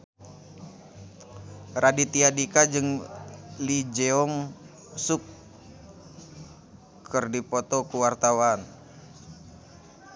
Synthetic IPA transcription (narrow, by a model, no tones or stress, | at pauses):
radit̪iadikad͡ʒɨŋ | lid͡ʒeɔŋ | suk | ɨrdipɔt̪ɔkuwart̪awan